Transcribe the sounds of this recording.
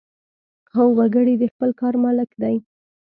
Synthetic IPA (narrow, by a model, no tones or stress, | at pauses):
awwaɡəɽid̪əxpəlkɑɾmɑlɪkd̪aj